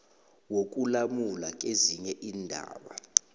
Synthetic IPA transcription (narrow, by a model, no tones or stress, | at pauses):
wok̬ʼulamulak̬ʼeziɲɛʔiːndʱa̰ːɓa̰